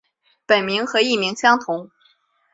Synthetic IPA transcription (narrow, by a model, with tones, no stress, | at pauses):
pə˨˩nmi˧˥ŋxɤ˧˥i˥˩mi˧˥ŋɕjɑ˥ŋt̪ʰʊ˧˥ŋ